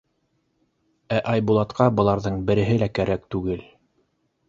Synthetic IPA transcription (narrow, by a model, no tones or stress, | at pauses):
æʔɑjbulˠɑt̪qʰɑbɤ̆lˠɑɾðɤɴbɘ̆ɾɘ̆ɦɘlækæɾæk̚t̪ʉɡɘl